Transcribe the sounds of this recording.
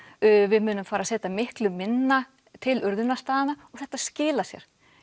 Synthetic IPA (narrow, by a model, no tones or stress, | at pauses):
vɪðmʏːnʏmfaːɾasɛːt̪amɪhklʏmɪnːa | t̪ʰɪlʏɾðʏnast̪aːðanaɔɣθɛht̪ḁscɪːlasjɛ̰ɾ̥